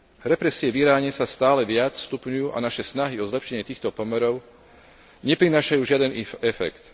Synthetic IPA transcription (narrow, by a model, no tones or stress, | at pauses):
ɾɛpɾɛsɪɛʋiɾaːɲɛsast̪aːlɛʋɪat͡sst̪upɲujuːʔa̰naʃɛsnaɦiɔzlɛpʃɛɲɪɛt̪iːxt̪ɔpɔmɛɾɔʊ | ɲɛpɾinaːʃajuːʒɪad̪ɛnɛfɛ̰kt̪